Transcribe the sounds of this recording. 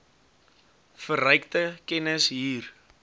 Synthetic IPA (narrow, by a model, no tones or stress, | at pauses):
fəɾœɥktəkɛnəsɦiːr